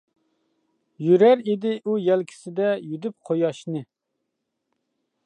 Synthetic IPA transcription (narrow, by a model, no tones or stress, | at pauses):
jyɾæɾed̪ɪʔujɛlkʲʰi̥sɪd̪ɛjyd̪yp̚qʰojɑʃnɨ